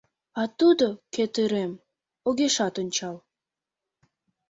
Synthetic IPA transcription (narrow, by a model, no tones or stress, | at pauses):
ɑt̪ud̪oket̪əɾem | oɣeʃɑt̪onʲt͡ɕɑl